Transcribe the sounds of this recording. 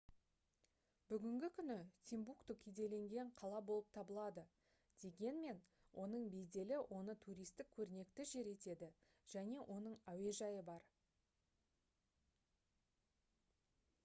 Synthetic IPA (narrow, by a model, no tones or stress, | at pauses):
bʏɡʲɪŋɡʲɪkʲʰʏnɪt̪ʰimbukt̪ukʲʰejd̪e̞le̞ŋɡʲe̞ɴqʰɑlˠɑbo̞lˠəp̚t̪ʰɑbəlˠɑd̪ə | d̪̥e̞ɡʲe̞nme̞n | wʔo̞nəɴbe̞jd̪e̞lɪwʔo̞nət̪ʰuɾijst̪ɪk̚ʲʰɵɾne̞kt̪ɪʒe̞ɾe̞t̪e̞d̪ɪ | ʒ̥æne̞ʔo̞nəɴæwe̞ʒɑjəbɑɾ